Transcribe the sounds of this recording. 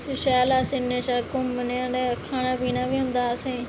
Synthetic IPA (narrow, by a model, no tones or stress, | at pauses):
t̪oːʃɛːlaːsɪneːt͡ʃaːkʊmːəneãːdeːkʰaːnaːbiːnaːʋiːɦʊ̃nd̪aːsẽː